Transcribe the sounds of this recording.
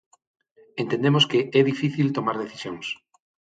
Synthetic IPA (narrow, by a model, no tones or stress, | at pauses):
ent̪ẽnd̪emoskeʔɛðifiθilt̪omaɾðeθi̥sjoŋs